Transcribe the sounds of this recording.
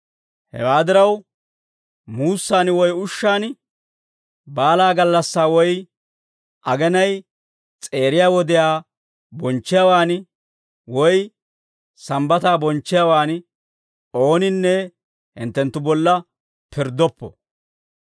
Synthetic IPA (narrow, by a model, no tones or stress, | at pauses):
hɛ̰waːd̪ɪɾɐw | muːsːaːnwɔjʊʃːaːn | baːlaːɡɐlːɐsːaːwɔj | ʔɐɡɛnɐj | t͡sʼe̞ːɾɪjaːwɔd̪ɪjaː | bɔnt͡ʃːɪjawaːn | wɔj | sɐmbɐt̪aːbɔnt͡ʃːɪjawaːn | o̞ːnɪnːɛ | hɪ̰nt̪ːɛnt̪ːʊbɔlːɐ | pʰɪɾd̪ɔpːɔ̰